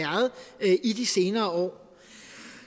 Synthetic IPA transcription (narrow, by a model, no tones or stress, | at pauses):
æɐð̩ˠʔid̥ise̝ːnɐːɒ̰ː